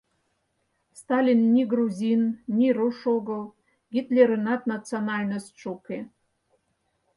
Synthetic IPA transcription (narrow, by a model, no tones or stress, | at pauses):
st̪ɑlʲinːʲiɡɾuzʲinːʲiɾuʃoɣəl | ɡʲit̪lʲeɾənɑt̪nɑt͡sionɑlʲnost̪ʃuke